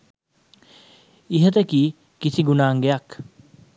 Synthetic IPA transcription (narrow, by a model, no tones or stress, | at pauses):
iɦət̪əkiː | kisiɡunaːŋɡejak